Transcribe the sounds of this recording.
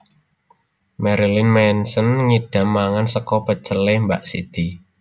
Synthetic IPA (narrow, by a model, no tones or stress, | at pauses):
mɛɾilɪnmɛnsənŋiɖ̥a̤mːaŋansəkɔpət͡ʃəlembaʔsḭt̪i